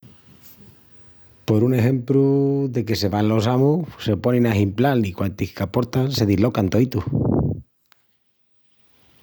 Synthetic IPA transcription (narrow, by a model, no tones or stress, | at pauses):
po̞ɾune̞ɦe̞mpɾuðe̞ke̞se̞βanlo̞s̬amuse̞po̞nẽnaɦimplalikwant̪ihkapo̞ɾt̪anse̞ðilo̞kant̪o̞it̪uh